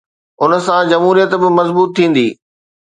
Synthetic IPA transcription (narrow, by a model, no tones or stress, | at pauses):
ʊnə̆sãd͡ʑɐmɦuːɾijət̪bɪmɐzbuːt̪ʰːĩːn̆d̪ḭː